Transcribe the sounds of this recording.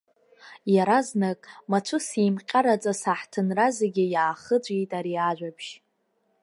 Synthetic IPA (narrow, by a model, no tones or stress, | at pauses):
jaɾaznakʼmat͡ʃʷʰʊsimqʲʼaɾat͡sʼasaħtʰɨnrazeɡʲɪjaːχəd͡ʒʷʼejtʼaɾiaʒᶣʷapʰʃ